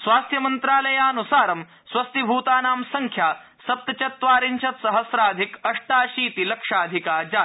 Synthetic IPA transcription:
sʋaːst̪jɐmɐnt̪ɾaːlɐjaːnusaːɾɐm | sʋɐst̪ibʱuːt̪aːnaːmsɐŋkʰjaː | sɐp̚t̪ɐt͡ʃɐt̪ːʋaːɾiɲt͡ʃɐt̪sɐɦɐsɾaːd̪ʱikɐʂʈaːʃiːt̪ilɐkʂaːd̪ʱikaːd͡ʒaː

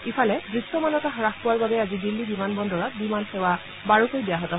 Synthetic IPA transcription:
ipʰalɛbɹistɔmanɔtaɦɔɹaxpʊwaɹbabɛazidilːibimanbɔndɔɹat̚bimanxewa | baɹukojbijaɦɔtɔɦ

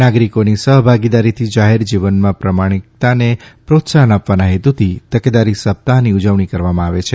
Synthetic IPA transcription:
naɡɾikonisəɦbʱaɡid̪aɾit̪ʰid͡ʒaɦeɾd͡ʒiʋənmãpɾəmaɽ̃ik̚t̪anepɾot̪saɦənapʋanaɦet̪ut̪ʰit̪əked̪aɾisəp̚t̪aɦniud͡ʒəʋɳ̃ikəɾʋamãaʋet͡ʃʰe

